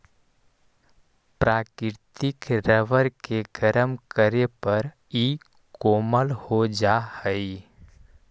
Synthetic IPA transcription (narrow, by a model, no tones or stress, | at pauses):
pɾaːkɪɾt̪ɪkɾəʋəɾkeɡəɾəmkəɾepəɾ | i | koːməlhod͡ʒahəi